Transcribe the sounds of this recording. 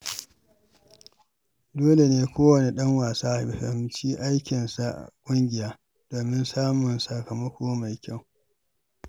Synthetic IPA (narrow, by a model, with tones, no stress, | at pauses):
doː˦le˨neː˦kʷoː˦wɐ˨ni˨ɗɐ˦ŋwaː˨saː˦ʔbɸɐ̰˨mt͡ʃiː˦ʔa˦jkʲɪ˨nsa˦ʔa̰˨kʷʼʊ˦ŋɡʲɪ˨jaː˦ | doː˨mɪ˦nsaː˦mʊ˨nsɐ˨kɐ˨mɐ˦kʷoː˦ma˨jkʲa˦˨w